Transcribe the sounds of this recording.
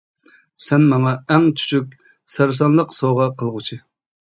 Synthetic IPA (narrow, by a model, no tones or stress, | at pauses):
sɛnmɑŋɑɛŋt͡ʃʰy̥t͡ʃʰykʲ | sæɾs̬ɑnlˠəqsoʁɑqʰəlˠʁʊt͡ʃʰi